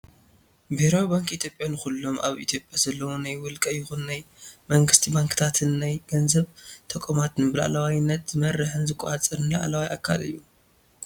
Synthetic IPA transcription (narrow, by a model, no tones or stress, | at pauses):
bɨhɾawibaŋkʼʔit̪ʰjo̞pʼjanɨxulːo̞mʔa̰βḭt̪ʰjo̞pʼjazɐlːɐwunajwʊlkʼɐjɪxunːajmɐŋɡɨst̪ʰibaŋkʰɨ̥t̪ʰat̪ʰɨnːajɡɐnzɐβt̪ʰɐkʼomat̪nɨbɨla̰ʔa̰lɐwajnːɐt̪z̥ɨmɐrːɨħɨnzɨkʷʼːɔat͡sʼɨɾnla̰ʔlawajʔakʰːa̰lɨ̰jːu